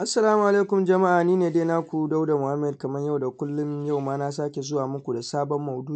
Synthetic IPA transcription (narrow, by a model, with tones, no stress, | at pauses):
ʔa˦sːɐ˨laː˦mu˨ʔa˨leː˦kʊ˨md͡ʒɐ˨ma˦ʔaː˨niː˦neː˨deː˦naː˦kʷu˨da˦wda˨mʊ˨ha˦mːɛ˨d̚kɐ˨mɐ˦ɲja˦˨wda˨kʷʊ˦lːʊ˦ɲja˦wmaː˦na˦s̬aː˦kʲe˨zʊ˦waː˨mʊ˦kʷu˨da˨saː˦bɔ˦mːɐ˨wdu˦